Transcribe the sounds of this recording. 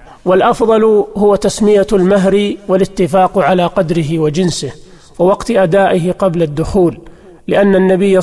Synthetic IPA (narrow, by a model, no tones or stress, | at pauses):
walʔɑfðˤɑlhʊwat̪asmɪjalmaɦɾiwalɪt̪ːɪfaːqʕalaːqɑd̪ɾɪɦɪwad͡ʒɪnsɪh | wɪwɑqt̪ʔad̪aːʔɪɦɪqɑblad̪ːʊxuːlː | ɪʔanːanːabɪjː